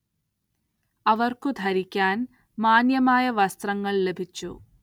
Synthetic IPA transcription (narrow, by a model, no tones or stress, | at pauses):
ɐʋɐrkud̪ʱɐɾikʲːaːn | maːnjɐmaːjɐʋɐst̪rɐŋːɐɭle̞bʱit͡ɕːṵ